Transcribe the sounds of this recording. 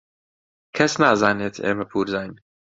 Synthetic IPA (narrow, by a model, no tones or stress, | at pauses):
kʰɛsnaːzaːneːt̪ʰḛːmɛpʰuːɾzaːjn